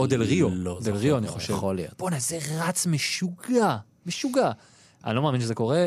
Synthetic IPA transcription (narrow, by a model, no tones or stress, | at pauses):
od̪elʁiod̪elʁioaniχoʃevolea̰b̥onazeʁat͡smeʃuɡa | meʃuɡa | a̰nilomeaːminʃ̬zeko̞ʁe